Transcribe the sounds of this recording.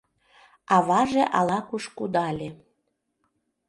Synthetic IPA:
ɑβɑʒeʔɑlɑkuʃkud̪ɑlʲe

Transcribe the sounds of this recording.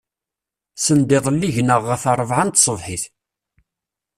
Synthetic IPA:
sənd̪eðˤlːiʝnəʁːəfɑrˤəvʕant̪sˤəvħɪθ

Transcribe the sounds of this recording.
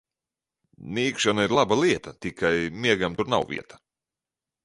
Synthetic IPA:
nʲiːkʃanaiɾlˠabalˠiɛt̪at̪ikʰajmiɛɡamt̪uɾna̰wvḭɛt̪ɐ̥

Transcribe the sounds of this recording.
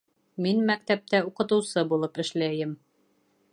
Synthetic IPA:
minmæk̚t̪æp̚t̪æuqɤ̆t̪ɤ̆wsɤbulˠɤpɘ̆ʃlæjɘm

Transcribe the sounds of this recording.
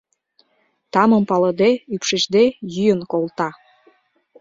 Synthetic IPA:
t̪ɑmə̆mpɑlə̆d̪eypʃeʒd̪ejyjənkolˠt̪ɑ

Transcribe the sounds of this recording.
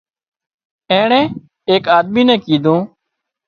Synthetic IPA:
ɛ̃ːɳɛ̃ː | eːkaːd̪̚miːnɛ̃ːkiːd̪õː

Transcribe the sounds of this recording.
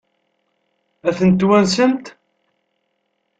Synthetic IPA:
æθənt̪ːwænsənt̪

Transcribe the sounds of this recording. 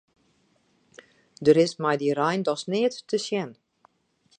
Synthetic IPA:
dəɾɪsmɛjdirɛjndɔsnɪːətːəsjɛn

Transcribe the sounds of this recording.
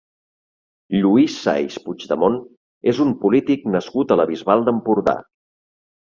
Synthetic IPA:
ʎuisːa̰jʃpud͡ʒðəmon | ezumpulit̪iknəskut̪ələβizβalˠd̪əmpuɾða̰

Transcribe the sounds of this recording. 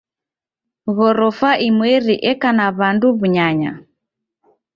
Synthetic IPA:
ɣɔɾɔfaʔimwɛɾiʔɛkanaβanduβuɲaɲa̰

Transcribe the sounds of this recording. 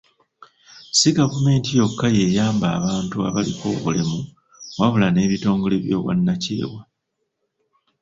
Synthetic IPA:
siɡavume̞ːntijo̞kːaje̞jaːmbaːβaːntua̰βaliko̞̰ːβṵlimu | waβulane̞ːβito̞ːŋɡo̞leβjo̞̰ːβwa̰nːacḛːwa

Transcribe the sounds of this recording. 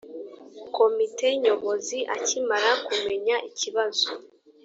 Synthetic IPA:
ko̞mite̞ɲo̞βoziʔa̰cimaɾakume̞ɲaʔiciβazo

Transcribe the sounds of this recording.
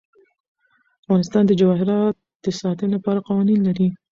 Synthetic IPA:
afɣɑnɪst̪ɑnd̪əd͡ʒawɑɦɪɾɑt̪̚d̪̥əsɑt̪ənlapɑɾaqɑwɑninlaɾi

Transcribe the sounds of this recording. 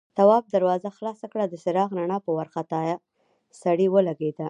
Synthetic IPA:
t̪awɑb̚d̪aɾwɑzaxlɑsakɽad̪əsɪɾɑɣnaɳɑpəwaɾxat̪ɑja | saɽiwəlaɡed̪a

